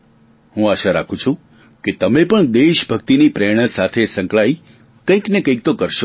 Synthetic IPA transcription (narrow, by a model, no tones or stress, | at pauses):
hũaʃaɾa̰kʰũt͡ʃʰũ | ket̪əmepəɳd̪eʃbʱəkt̪inipɾɛɽ̃əsat̪ʰesə̃ŋkɭai | kə̃ĩknekə̃ĩk̚t̪okəɾʃo